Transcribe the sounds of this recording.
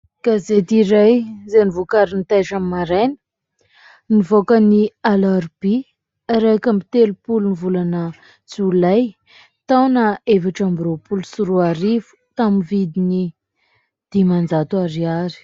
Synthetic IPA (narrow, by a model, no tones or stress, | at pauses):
kazet̪iɾajzenivukaɾinit̪ajʈ͡ʂammːaɾenə̥ | nivokənialaɾb̥i | ɾekamit̪elupulunivulanə | t͡sulaj | t̪awnaevaʈ͡ʂambiropulusuɾuaɾivu̥t̪aminvid̪ini | d̪̥imand͡zat̪uaɾiaɾi̥